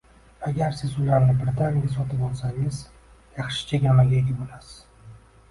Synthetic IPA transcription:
aɡʲaɾsɪzʊlaɾnɪbɾɪt̪ʰanjasɒt̪ʰɪpɒlˠsaŋɪz | jɑχʃɪ̥t͡ʃʰaɡʲamalʲeɡʲɪbɪlasɪ̥

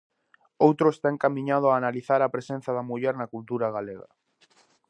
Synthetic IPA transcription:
owt̪ɾʊest̪aeŋkamĩɲað̞ʊaːnaliθaɾapɾesen̟θaðamuʎɛɾnakult̪uɾaɣ̞aleɣa̰

